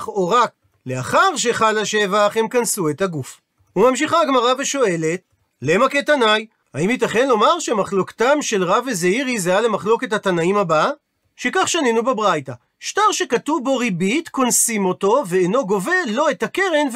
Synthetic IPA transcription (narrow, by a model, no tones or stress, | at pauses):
χo̞ʁak̚ | le̞aχaʁʃe̞χalaʃe̞vaχhe̞mkansue̞taɡuf | umamʃiχaɡmaʁaveʃo̞e̞le̞t̚ | le̞make̞tanaj | haimit̬aχe̞nlo̞maʁʃemaχlo̞ktamʃe̞lʁavezeiʁizejale̞maχlo̞ke̞thatanaimhaba | ʃe̞kaχʃanenubebʁajta | ʃtaʁʃe̞katuvbo̞ʁibitko̞nsimo̞to̞ve̞ːno̞ɡo̞ve̞lo̞etake̞ʁe̞nv